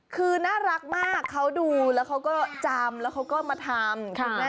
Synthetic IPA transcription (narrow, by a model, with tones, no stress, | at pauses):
kʰɯː˧naː˥˩ɾa˦˥k̚maː˥˩kʰːa˦˥wduː˧lɛː˦˥wkʰa˦˥wkɔː˥˩t͡ɕaː˧mlɛː˦˥wkʰa˦˥wkɔː˥˩maː˧t̪ʰaː˧mkʰu˧ma˦˥